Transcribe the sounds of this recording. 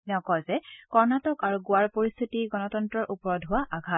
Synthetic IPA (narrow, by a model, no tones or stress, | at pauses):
nɛkɔzɛkɔɹnatɔkaɹuɡʊwaɹpoɹist̪ʰitiɡɔnɔtɔntɹɔɹʔupɔɹɔdɦʊwaʔaɡʱat̚